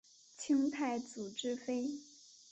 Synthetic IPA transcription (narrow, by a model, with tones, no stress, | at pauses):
t͡ɕʰi˥ŋt̪ʰa˥˩ɪt͡su˨˩ʈ͡ʂɻ̩˥fe˥ɪ